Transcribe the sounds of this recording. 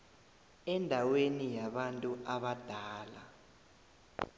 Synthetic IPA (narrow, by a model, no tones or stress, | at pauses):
ɛndʱawenijaɓantʼuʔaɓad̥ʱaːla̰